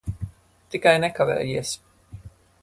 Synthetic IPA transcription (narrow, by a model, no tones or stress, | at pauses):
t̪ikajnɛkavɛ̰ːjiɛs